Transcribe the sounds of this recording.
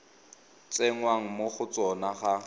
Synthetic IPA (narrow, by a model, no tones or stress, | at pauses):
t͡sʼeŋwaŋ̩moχʊt͡sɔnaχa